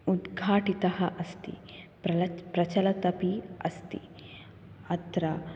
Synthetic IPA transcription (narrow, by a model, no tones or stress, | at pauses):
ud̪ɡʱaːʈit̪ɐɦɐʔɐst̪ḭpɐpɾɐt͡ʃɐlɐt̪ɐpiɐst̪ḭ | ɐt̪ɾɐ